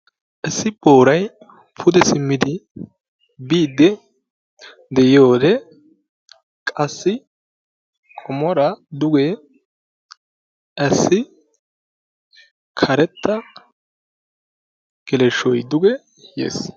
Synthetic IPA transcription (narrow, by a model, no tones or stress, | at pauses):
ʔɛsːɪbʼo̞ːɾɐj | pʰʊd̪ɛsɪmːɪd̪ɪ | biːd̪ːɛ | d̪ɛjɪjo̞ːd̪ɛ | kʼɐsːɪ | kʼɔmɔɾɐd̪ʊɡɛ | ʔɐsːɪ | kʰɐɾɛt̪ːɐ | ɡ̥ɛlɛʃɔjd̪ʊɡɛ | jḛːs